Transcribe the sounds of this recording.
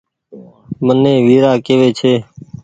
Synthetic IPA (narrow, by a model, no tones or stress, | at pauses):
mənẽːʋiːɾaːkeːʋeːt͡ʃʰeː